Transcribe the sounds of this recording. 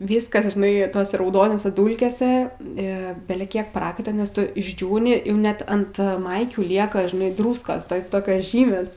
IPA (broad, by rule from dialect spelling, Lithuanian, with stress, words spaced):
ˈʋʲiːskɐs ʒʲɪˈnɐɪ ˈtoːsʲɛ rɐʊˈdoːnoːsʲɛ ˈduːlʲkʲeːsʲɛ ˈɪ bʲɛlʲɛˈkʲiɛk ˈprɑːkɐɪtɐ nʲɛs ˈtʊ ɪʒʲˈd͡ʒʲuːnʲɪ jɛʊ ˈnʲɛt ɐnt ˈmɐɪkʲuː ˈlʲiɛkɐ ʒʲɪˈnɐɪ ˈdruːskoːs tɐɪ ˈtoːkʲoːs ˈʒʲiːmʲeːs